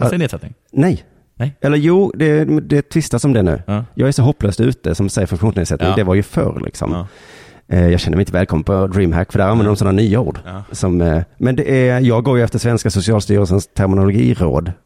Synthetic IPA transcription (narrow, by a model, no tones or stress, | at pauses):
neːd̪sɛt̪nɪŋ | nɛj | ɛlːəɾjuːd̪ɛd̪ɛt̪ʰvɪst̪asɔmd̪ɛnʉ̟̰ːjɑ̰ːɡæɾʂɔɦɔpːløːst̪ʉ̟ːt̪əsɔmsɛjəɾfɵŋkɧuːneːd̪sɛt̪ːnɪŋd̪ɛvaɾjɵfœ̰ɾlʔɪ̰ksɔ̰m | jɑːɡɕɛnːəmɛɪt̪əvɛːlkʰɔmːənpʰɔd̪ɾiːmɦæ̰kːfəɾɖ̪æɾanvɛnd̪əɾɔmsɔnːanyːaṵːɖsɔmmɛnd̪ɛʔɛjɑːɡɡoːɾjəɛft̪əɾʂvɛnskasʊsɪɑːlst̪y̰ːɾəlsənst̪ʰæɾmɪnʊlʊɡḭːɾo̰ːd̪